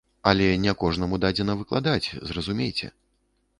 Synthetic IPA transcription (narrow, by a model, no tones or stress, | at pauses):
ɐlʲɛnʲɛkɔʐnɐmud̪ad͡zʲɛnɐvɨklˠa̰d̪at͡sʲzrɐzumʲejt͡sʲɛ̰